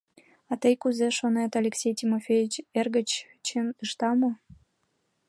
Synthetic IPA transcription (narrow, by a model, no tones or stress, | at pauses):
ɑt̪əjkuzeʃonet̪alʲeksʲejtʲimofʲejit͡ɕerɣə̆t͡ɕ | t͡ɕenɯʃt̪ɑmɤ̆